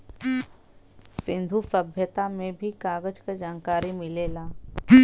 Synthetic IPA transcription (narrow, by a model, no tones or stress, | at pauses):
sɪ̃nd̪ʱusəbʱjət̪amẽbʱikaːɡəd͡ʒkad͡ʒaːnkaːɾimɪleːlaː